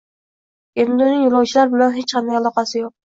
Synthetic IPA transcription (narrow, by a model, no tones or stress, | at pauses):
emd̪onɪŋjuɾˠɑwt͡ʃʰɪlaɾbɪlanɦet͡ʃqʰɑnd̪ajɑlˠɒqɑsɪjoq̚